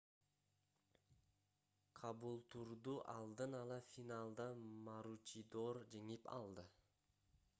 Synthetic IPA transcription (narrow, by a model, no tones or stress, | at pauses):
qʰɑbulˠt̪ʰuɾd̪uʔɑlˠd̪ɯnɑlˠɑfinɑlˠd̪ɑmɑɾut͡ʃid̪oɾd͡ʒeŋipɑ̰lˠd̪ɯ